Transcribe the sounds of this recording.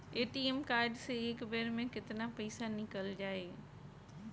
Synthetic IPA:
eːʈiːemkaːɾɪɖsẽɪkbeːɾmẽkɪt̪ɪnapɐisanɪkəld͡ʑaːeː

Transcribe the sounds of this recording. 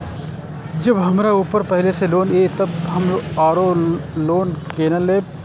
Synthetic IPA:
d͡ʒəbɦəmɾauːpəɾpəɦɪleseloːnet̪əbɦəmaːɾoloːnkeːnəleːb

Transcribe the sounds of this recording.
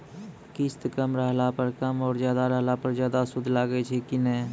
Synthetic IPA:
kist̪kəmɾəɦlapəɾkəmɔːɾd͡ʒjaːd̪aɾəɦlapəɾd͡ʒjaːd̪asud̪ʱlaɡɛt͡ʃʰɛkinɛ

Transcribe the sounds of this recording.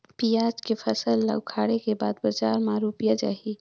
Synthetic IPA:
piaːd͡ʒkefʰɐsəlːə̰wkʰaːɽekeba̰ːd̪bəd͡ʒaːɾmãɾuːpijad͡ʒa̰ːɦi

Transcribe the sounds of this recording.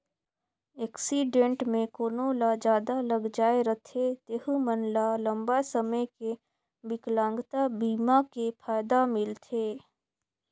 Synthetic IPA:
eːksiɖẽɳʈmẽkoːnõlad͡ʒaːd̪aləɡd͡ʒaːeɾət̪ʰet̪eːɦumənlalə̃mbasəməjke | bɪklãːŋɡt̪abiːmakepʰaːjd̪amɪlt̪ʰeː

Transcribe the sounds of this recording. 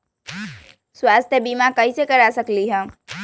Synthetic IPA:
swaːst̪ʰjəbiːmakɐɦisekɐɾasəkliɦɛ̃ː

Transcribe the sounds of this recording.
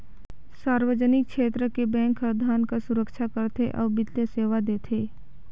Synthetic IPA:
saːɾʋəd͡ʒənɪk̚ʰʃeːt̪ɾəkebɛ̃ːŋkʰəɾd̪ʱaːnkasʊɾəkʃʰakəɾt̪ʰeʔɔ̰ːbɪt̪ːeseːʋad̪eːt̪ʰeː

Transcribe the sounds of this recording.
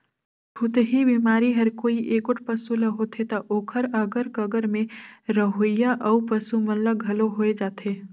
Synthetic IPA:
pʰʊt̪eɦibimaːɾiɦɐɾkoːiʔeːkʊʈ̚ʰpɐsulɐɦot̪ʰet̪ɐʔoːkʰəɾɐɡəɾkɐɡəɾmẽɾɐɦojjaʔɐupɐsumɐlləɡʱɐloɦoːed͡ʒaːt̪ʰeː

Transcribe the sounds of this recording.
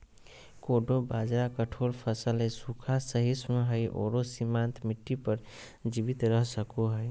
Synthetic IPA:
koɖobad͡ʒɾakəʈʰoɾpʰəsəlesukʰasəɦismeɦəjʔo̰ɾosimant̪miʈːipəɾ | d͡ʒibit̪ɾəɦsəkuɦəj

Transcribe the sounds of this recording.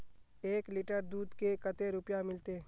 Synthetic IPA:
eːklɪʈəɾd̪uːd̪kekɐt̪eɾʊpjamɪlt̪eː

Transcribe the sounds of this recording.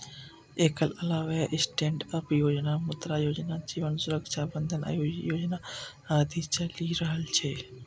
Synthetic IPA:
eːkəlɐlaːʋeʔɪsʈẽːɳɖəpjoːd͡ʒnamʊt̪ɾajoːd͡ʒnad͡ʒiːʋənsʊɾəkʃabə̃nd̪ʱəna̰jojoːd͡ʒna | aːd̪ʱit͡ʃəliɾəɦəlt͡ʃʰeː

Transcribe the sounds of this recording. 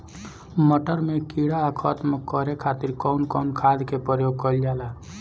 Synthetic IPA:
məʈəɾmẽkiɽaːkʰɔt̪məkːɔɾekʰaːt̪ɪɾkɔnkɔːnkʰaːd̪kepəɾjoːɡ̚kəld͡ʒaːla

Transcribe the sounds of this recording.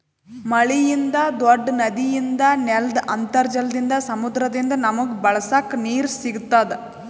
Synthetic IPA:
mɐɭijind̪ɐd̪oɖːnɐd̪ijind̪ɐneld̪ɐnt̪ɐɾd͡ʒɐld̪ind̪ɐsɐmud̪ɾɐd̪ind̪ɐnɐmɐɡubɐɭɐsakːniːɾsiɡut̪ːaːd̪e

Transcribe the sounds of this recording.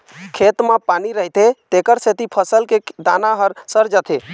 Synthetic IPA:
kʰet̪mepaniɾəɦt̪et̪ekəɾset̪ipʰəsəlked̪a̰naɦəɾsəɾd͡ʒət̪ʰe

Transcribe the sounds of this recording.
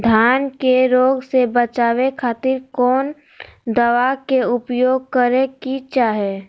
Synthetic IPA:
d̪ʱaːnkeɾoːɡsebət͡ʃaːʋekʰaːt̪ɪɾkɔːn | d̪əʋakeʊpjoːɡ̚kəɾekit͡ʃaːɦɛː

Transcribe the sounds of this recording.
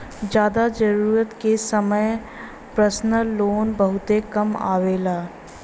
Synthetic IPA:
d͡ʒjaːd̪ad͡ʒɐɾuːɾət̪kesɐməj | pɾəsnəloːnbɐɦʊt̪ekɐma̰ːʋeːlaː

